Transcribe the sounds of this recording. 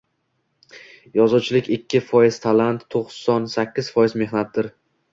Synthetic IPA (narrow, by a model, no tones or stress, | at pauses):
jɒzuwt͡ʃʰɪlɪkʲɪkʲʰːɪfɒjɪz̥t̪ʰalant̪ʰːoqsɒnsakʲʰːɪz̥fɒjɪzme̞hnat̪̚d̪ɪɾ